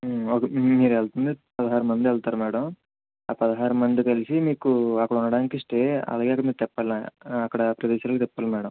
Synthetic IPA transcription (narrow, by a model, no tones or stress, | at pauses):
oːkmiːɾɛlt̪und̪ipɐd̪ɐɦaːɾumɐnd̪iɛlt̪aːɾumɛːɽɐm | aːpɐd̪ɐɦaːɾumɐnd̪ikɐlisimiːkuɐkːɐɽɐuɳːɐɽaːnikiʂʈe̞ːɐ̰laːɡe̞ɐkɐɽɐmiːkut̪ɛpːɐlaɐkːɐɽɐpɾɐʋɛːʃaːɾlkt̪ɛpːɐlɐmɛːɽɐm